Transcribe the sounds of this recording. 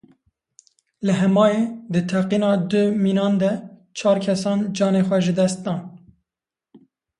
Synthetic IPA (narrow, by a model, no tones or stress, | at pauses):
lɨɦɛmɑːed̪ɨt̪ʰɛqiːnɑːd̪ɨmiːnɑːnd̪ɛt͡ʃʰɑːɾkʰɛsɑːnd͡ʒɑːneːxʷɛʒɨd̪ɛst̪̚d̪ɑːn